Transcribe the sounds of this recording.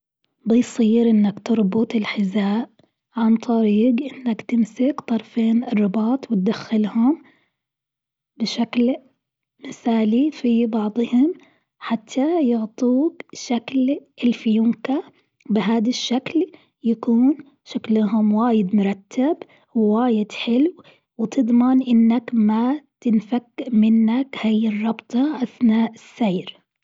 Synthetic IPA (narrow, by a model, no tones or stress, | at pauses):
bɪjsˤiːɾʔɪnːakt̪ɨɾˤbʊt̪ˤɪlħɪzaːʔ | ʕant̪ˤɑɾiːɡʔɪnːakt̪ɪmsɪkt̪ˤɑɾˤfeːnɪrˤːɪbɑːt̪ˤwɪt̪̚d̪axːalhʊm | bɪʃakl | mɪθaːlifibɑʕd̪ˤhʊm | ħat̪ʰːajʊʕt̪ˤuːkʃaklʔɪlfɪjʊmka | bɪɦaːd̪aʃːakl | jakuːn | ʃaklɦʊmwaːjɪd̪mʊɾˤɑt̪ʰːab | wwaːjɪd̪ħɪlw | wɪt̪ɨd̪ˤmɪnʔɪnːakmat̪ɪnfakːʔmɪnːakhajɪrˤːɑbt̪ˤɑʔaθnaːʔɪsːejɾ